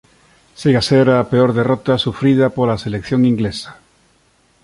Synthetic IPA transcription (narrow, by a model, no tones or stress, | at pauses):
seɣaseɾapeoɾðerot̪asufɾið̞apolaselekθjoŋiŋɡlesḁ